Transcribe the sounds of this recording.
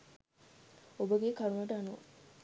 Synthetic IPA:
obəɡeːkaɾunəʈəanuʋ

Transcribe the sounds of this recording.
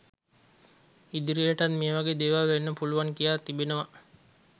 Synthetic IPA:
id̪iɾijəʈanmeːʋaɡeːd̪eːʋaʋenːəpuluʋaŋkijaːt̪ibenəʋa

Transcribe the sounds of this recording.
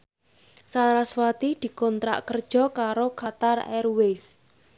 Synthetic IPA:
saɾaswat̪id̪̥i̤kɔnt̪ɾa̰ʔkərd̥ʒ̥ɔ̤kaɾokat̪arɛ̰rwes

